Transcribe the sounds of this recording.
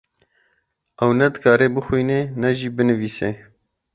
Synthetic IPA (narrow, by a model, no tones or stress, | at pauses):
ɛwnɛd̪ɨkʰɑːɾeːbɨxwijneːnɛʒiːbɨnɨviːseː